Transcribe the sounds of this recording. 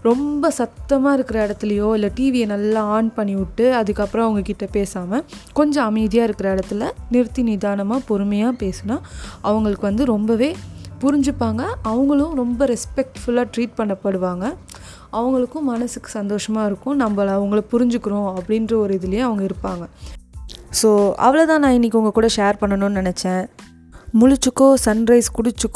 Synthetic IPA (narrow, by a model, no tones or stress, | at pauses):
ɾɔmbɐsɐt̪ːɐmaːɪɾɯkːɪɾɐɪɽɐt̪ːɪlɐjoːɪlːɐʈiːʋɪjɐnɐlːãːaːɳpɐɳːiʋɪʈːɯɐðɯkːɐpːɯɾɐ̃ɐʋɐŋɡɐkɪʈːɐpeːsaːmɐkɔɲd͡ʒɐ̃ɐmɐðɪjaːɪɾɯkːɪɾɐɪɽɐt̪ːɪlɐnɪɾɯt̪ːinɪðaːnɐmaːpɔɾɯmɐjaːpeːsɯnaːʔɐʋɐŋɡɐɭɯkːɯʋɐnd̪ɯɾɔmbɐʋeːpʊɾɪɲd͡ʒɯpːaːŋɡɐːʋɐŋɡɐɭʊ̃ɾɔmbɐɾɛspɛk̚ʈfʊlaːʈɾiːʈ̚pɐɳːɐpːɐɽɯʋaːŋɡɐ | ɐʋɐŋɡɐɭɯkːʊ̃mɐnɐsɯkːɯ̥sɐnd̪oːʂɐmaːɪɾɯkːʊ̃nɐmbɐːʋɐŋɡɐɭɐpʊɾɪɲd͡ʒɯkːɯɾʊ̃ːɐpːɐɽɪnɾɐɔɾɯɪðɪlɐjẽːɐʋɐŋɡɐɪɾɯpːaːŋɡɐ | soːɐ̰ʋɐɭɐt̪ãːnãːɪnːɪkːʊŋɡɐkuːɽɐʂeːɾpɐɳːɐnõnnɪnɛt͡ʃːɛ̃ː | mʊɻʊt͡ʃːɯkːõsɐnɾɐɪskʊɽɪt͡ʃːɯkː